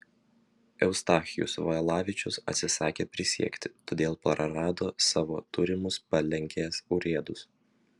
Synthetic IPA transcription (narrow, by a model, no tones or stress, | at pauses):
ɛʊst̪ɑːxʲɪjʊ̰sʋɐɛlˠɑːʋʲɪt͡ʃʲʊsɐ̰t̪ʲsʲɪsɑːkʲeːpʲɾʲɪsʲḭɛkʲt̪ʲɪ̥t̪oːd̪ʲeːlˠpɐɾɐɾɑːd̪oːsɑːʋo̰ːt̪ʊɾʲɪmʊspɐlʲɛŋʲkʲeːsʊɾʲeːd̪ʊs